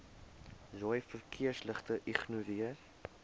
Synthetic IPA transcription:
zɔjfərkʰiəsləχtəʔiχnuɾiə

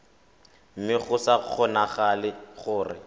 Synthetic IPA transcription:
m̩mɪχʊsaq͡χʰɔnaχalɪχʊːrɪ̰

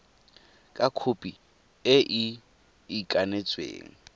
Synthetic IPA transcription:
kʼakʰʊpʼi | ɪʔiː | kʼanet͡sʼwḛːŋ̩

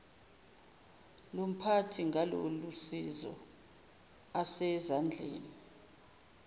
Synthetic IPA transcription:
lom̩pʰatʰiŋʱalo̰lusizɔ̰ | asɛzand͡ɮʱḛːni

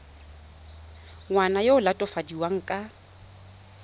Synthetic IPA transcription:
ŋwanajoʊlatʼɔfadiwaŋ̩kʼa

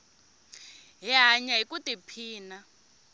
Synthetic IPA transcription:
ɦiɦaɲaɦikutipʰiːna

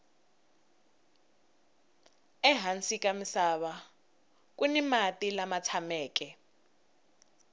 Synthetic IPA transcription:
ɛɦansikamisaβa | k̬ʼunimatilamat͡sʰamɛːk̬ʼɛ

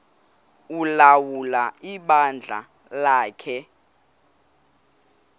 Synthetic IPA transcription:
ulawulaiɓand͡ɮʱa̰ | laːkʰɛ

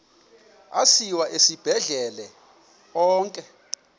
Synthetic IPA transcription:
a̰siwaʔesib̥ʱɛɮɛlɛ | ɔːŋkʼɛ

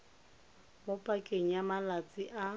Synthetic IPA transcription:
bɔpʼakʼeŋ̩jamalat͡sʼɪʔa

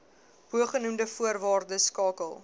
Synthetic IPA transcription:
ɦuəχənumdəfuərvɑːrdəskɑːkəlˠ

